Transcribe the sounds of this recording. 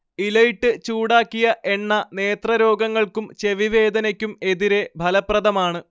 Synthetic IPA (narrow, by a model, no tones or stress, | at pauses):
ilɐjiʈːɨt͡ɕuːɽaːkːijɐʔe̞nːɐne̞ːt̪rɐɾo̞ːɡɐŋːɐɭkumt͡ɕe̞ʋiʋe̞ːd̪ɐnɐkʲːume̞ðiɾe̞bʱɐlɐprɐðɐmaːɳɨ